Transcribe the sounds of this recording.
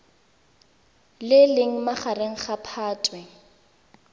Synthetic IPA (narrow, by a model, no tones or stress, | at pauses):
lɪlɪŋ̩maχareŋ̩χapʰaːtʼwɛ